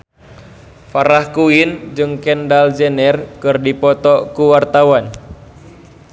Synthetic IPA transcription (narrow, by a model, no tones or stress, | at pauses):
faɾahkuind͡ʒɨŋkɛndald͡ʒɛnɛrkɨrdipɔt̪ɔkuwart̪awan